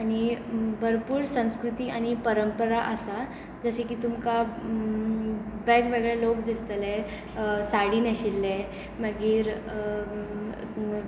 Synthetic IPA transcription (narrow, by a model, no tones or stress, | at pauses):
añibʱəɾpuːɾsə̃w̃skɾut̪iːʔaɽ̃ipəɾəmpəɾaʔəsa | d͡zəɕekiːt̪umka | ʋeɡʋeɡɭalokd̪ist̪əlɛ | saɽiːnəɕilːɛ | məɡiːɾ